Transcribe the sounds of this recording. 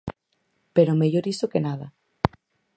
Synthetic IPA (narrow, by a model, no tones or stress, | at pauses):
peɾomeʎoɾisokenaða